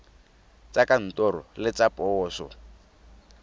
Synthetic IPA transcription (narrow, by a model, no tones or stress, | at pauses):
t͡sakan̩tɔɾɔ̰lɪt͡sapʼɔːsɔ̰